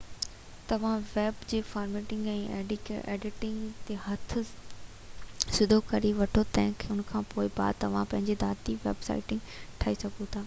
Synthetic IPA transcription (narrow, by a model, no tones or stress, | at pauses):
t̪ɐʋ̤ãʋeːbd͡ʑeːfaːɾmeːʈɪ̃ŋɡɛ̃ːʔḛːɖɪkḛːɖɪʈɪ̃ŋɡt̪ehɐt̪ʰ | sɪd̪ʱokɐɾiʋɐʈʰot̪ɛ̃ːɦɪ̃kʰːʊnkʰãːpoːɪba̰ːd̪̚t̪ɐʋ̤ãpɐ̃ɦɪ̃ɲd͡ʑed̪aːɾt̪iʋḛːbsa̰ːɪʈɪ̃ŋɡ | ʈʰaːisɐɡʱũt̪ʰaː